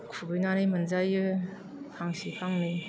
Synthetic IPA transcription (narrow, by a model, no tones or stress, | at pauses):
kʰubɯjnanɯjmɯnzajɯ | pʰaŋsipʰaŋnɯj